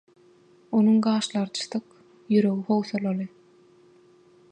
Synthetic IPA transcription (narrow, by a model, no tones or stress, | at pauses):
onuŋɢɑːʃlˠɑɾt͡ʃʰɯ̥θɯq | jyɾø̞ɣiho̞wθolˠɑlˠɯ